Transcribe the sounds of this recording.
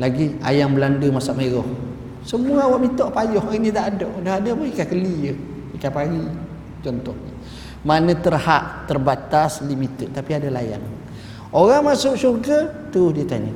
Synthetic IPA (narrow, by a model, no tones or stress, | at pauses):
laɡia̰jambəlandəmasaʔmeɾɔh | səmuəawaʔmit̪ɔʔpajɔhinĩt̪aʔadɔʔdaɦadabəikakəlijə | ikapaɾi | t͡ʃɔnt̪ɔhɲə | manə̃t̪ərhaʔt̪ərbat̪aslimit̪ət̪apiadalaja̰n | oɣaŋmasʊʔsurɡət̪əɾʊhdiət̪aɲə